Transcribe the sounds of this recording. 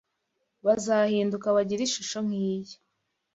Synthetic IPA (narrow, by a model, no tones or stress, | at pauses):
βazahiːndukaβaɟiɾiʃuʃo̞ŋ̥hiːjo̥